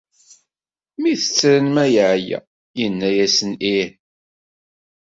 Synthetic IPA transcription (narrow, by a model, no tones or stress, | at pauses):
miθə̥t͡sːɾənmæjʕjæ̰ | jənːæjæsəni